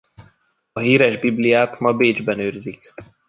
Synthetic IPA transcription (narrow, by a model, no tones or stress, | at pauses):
ɒɦiːɾɛʒbiblijaːt̪mɒbeːd͡ʒbɛnøːrzik